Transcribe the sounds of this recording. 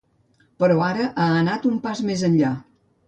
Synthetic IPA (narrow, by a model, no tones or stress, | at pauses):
pəɾɔaɾəʔaənat̪umpazmezənʎa